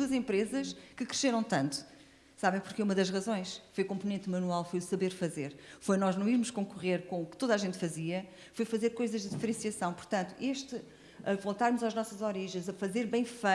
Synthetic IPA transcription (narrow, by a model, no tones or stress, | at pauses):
uɐzẽmpɾezɐʃkɨkɾɨʃeɾɐ̃w̃t̪ɐ̃nt̪u̥ | saβɐ̃j̃puɾkeumɐðɐʒʁɐzõj̃ʃfojukõmpunẽnt̪mɐnualˠfojusɐβeɾfɐzeɾfojnɔʒnɐ̃w̃iɾmuʃkõŋkuʁeɾkõukɨ̥t̪oðaʒẽnt̪fɐziɐ | fojfɐzeɾkojzɐʒd̪ɨðifɾẽsiɐsɐ̃w̃puɾt̪ɐ̃nt̪u̥ʔeʃt̪ɨ | ɐvolˠt̪aɾmuzaʒnɔsɐzɔɾiʒɐ̃j̃zɐfɐzeɾβɐ̃j̃fɐ